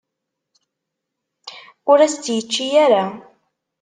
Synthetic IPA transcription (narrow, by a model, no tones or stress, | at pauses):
ʊɾæst̪jət͡ʃːijæɾa